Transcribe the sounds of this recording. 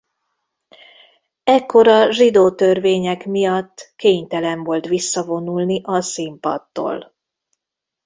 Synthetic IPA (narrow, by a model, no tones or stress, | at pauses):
ɛkːo̞ɾɒʒid̪oːt̪ø̞rveːɲɛkmijɒt̪ːkeːɲt̪ɛlɛɱvo̞lt̪ʋisːɒvo̞nulniʔɒsimpɒ̰t̪ːo̰ːl